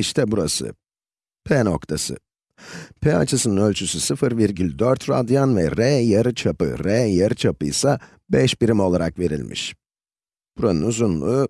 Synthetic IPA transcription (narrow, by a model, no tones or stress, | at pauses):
iʃt̪ʰɛbuɾasɯ̰ | pʰɛno̞kt̪ʰasɯ̰ | pʰɛa̰t͡ʃʰɯsɯnɯnø̞lʲt͡ʃʰysysɯfɯɾviɾɟylʲd̪øɾt̪ɾa̰d̪janvɛ̰ɾɛjaɾɯt͡ʃʰapɯ̰ɾɛjaɾɯt͡ʃʰapɯ̰jsa | bɛʃbiɾimo̞lˠaɾakve̞ɾḭlʲmḭʃ | b̥uɾanɯnuzunlˠuː